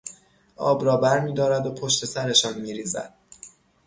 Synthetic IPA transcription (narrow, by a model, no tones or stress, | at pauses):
ʔɒ̰ːbɾɒːbæɾmiːd̪ɒːɾæd̪opʰo̞ʃt̪ʰe̞sæɾe̞ʃɒːnmiːɾiːzæ̰d̪̥̚